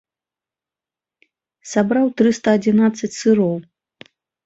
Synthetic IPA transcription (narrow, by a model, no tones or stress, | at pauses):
sabɾawt̪ɾɨst̪ɐːd͡zʲinat̪sːɐt͡sʲsɨɾɔw